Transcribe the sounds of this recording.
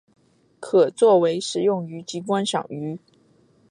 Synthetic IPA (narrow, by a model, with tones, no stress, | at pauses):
kʰɤ˨˩t͡swɔ˥˩we˧˥ɪʂɻ̩˨˩jʊ˥˩ŋy˧˥t͡ɕi˧˥k̬wa˥nɕjɑ̰˨˩ŋy˧˥